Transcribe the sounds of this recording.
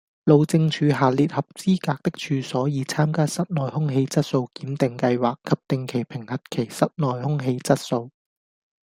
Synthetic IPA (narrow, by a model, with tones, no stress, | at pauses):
lo˨˧wt͡sɪ˧ŋt͡ʃʰyː˨˧ɦaː˨liː˨t̚hɐ˨p̚t͡siː˥kaː˧k̚t̪ɪ˥k̚t͡ʃʰyː˨˧sɔː˨˥jiː˨˧t͡sʰaː˥mkaː˥sɐ˥t̚nɔː˨jhʊ˥ŋɦe˧jt͡sɐ˥t̚so˧wkiː˨˥mt̪ɪ˨ŋkɐ˧jwaː˨kʰːɐ˨p̚t̪ɪ˧ŋkʰe˨˩jpʰɪ˨˩ŋhɐ˨t̚kʰe˨˩jsɐ˥t̚nɔː˨jhʊ˥ŋɦe˧jt͡sɐ˥t̚so˧w